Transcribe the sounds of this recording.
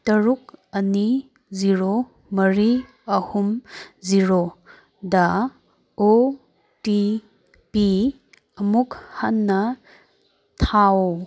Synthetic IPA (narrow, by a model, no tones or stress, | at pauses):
tɐɾuk̚ɐni | ziɾo | mɐɾi | ɐhumziɾo | da | o | ti | pi | ɐmukhanːɐ | tʰaw